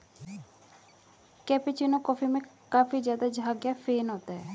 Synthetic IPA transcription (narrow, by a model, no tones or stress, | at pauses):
kɛːpit͡ʃinõːkɔːpʰimẽː | kaːfiːd͡ʒjaːd̪aːd͡ʒɦaːɡjaːpʰeːnoːt̪aɦɛː